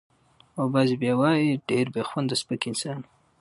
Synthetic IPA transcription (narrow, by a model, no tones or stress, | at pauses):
obazibjɑwɑjiɖeɾbexwand̪əspəkɪnsɑn